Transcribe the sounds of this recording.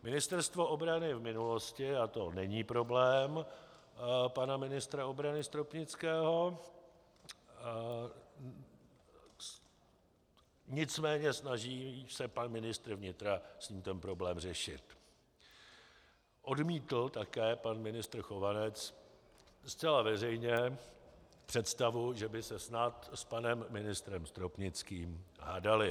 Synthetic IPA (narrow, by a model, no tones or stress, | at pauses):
mɪnɪst̪ɛɾst̪vo̞ʔo̞bɾanɪvmɪnulo̞scɪat̪o̞nɛɲiːpɾo̞blɛːm | panamɪnɪst̪ɾao̞bɾanɪst̪ɾopɲɪt͡skɛːɦo̞ | ɲɪt͡smɛːɲɛsnaʒiːsɛpanmɪnɪst̪ɾ̩vɲɪt̪ɾasɲiːmt̪ɛnpɾo̞blɛːmrɛʃɪ̰t̪ | ʔo̞dmiːt̪l̩t̪akɛːpanmɪnɪst̪ɾ̩xo̞vanɛt͡s | st͡sɛlavɛr̝ɛjɲɛ | pr̥ɛt̪st̪avuʒɛbɪsɛsnat̪spanɛmːɪnɪst̪ɾɛmst̪ɾopɲɪt͡skiːmɦaːdalɪ